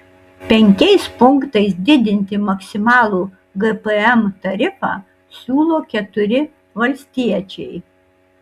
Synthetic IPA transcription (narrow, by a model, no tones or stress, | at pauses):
pʲɛŋʲkʲɛɪspʊŋkt̪ɐɪsd̪ʲɪd̪ʲɪnʲt̪ʲɪmɐksʲɪmɑːlˠuː | ɡɛpəɛmt̪ɐɾʲɪfɑ̰ː | sʲuːlˠoːkʲɛt̪ʊɾʲɪ | ʋɐlʲsʲt̪ʲiɛt͡ʃʲɛɪ